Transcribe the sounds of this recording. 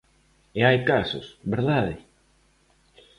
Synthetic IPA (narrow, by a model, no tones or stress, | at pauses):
eajkasʊsβeɾðaðɪ